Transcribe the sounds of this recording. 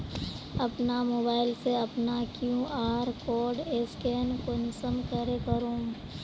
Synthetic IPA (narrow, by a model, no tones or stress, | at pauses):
ɐpnamoːbaːɪlseɐpnakjũʔaːɾkɔːɾɖeːskenkonɪsəmkəɾekəɾõː